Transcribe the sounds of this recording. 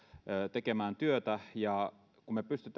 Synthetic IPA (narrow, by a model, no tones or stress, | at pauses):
øt̪ekemæːnt̪yøt̪æjɑ | kummepyst̪yt̪